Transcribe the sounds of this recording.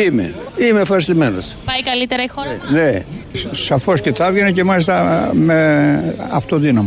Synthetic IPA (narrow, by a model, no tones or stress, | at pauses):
imḛimefxɐɾist̪imeno̰spɐjkɐlit̪eɾɐixonesɐfo̞scet̪ɐvʝenece̞mɐlist̪ɐme | ɐ̰ft̪oðinɐmɐ